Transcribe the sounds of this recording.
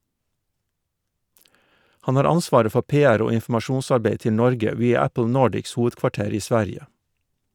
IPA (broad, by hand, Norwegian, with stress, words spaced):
ˈhɑn ˈhɑːɾ ˈɑnˌsʋɑːɾə ˈfɔ ˈpeːˌæɾ ˈoː ɪnfm̩ɑˈʃuːnsɑɾˌbeɪ ˈtɪ ˈnɔɾɡə ˈʋiːɑ ˈæpl̩ ˈnoːɖɪks ˈhuːʋədkʋɑˌʈeːɾ ˈiː ˈsʋæɾɪə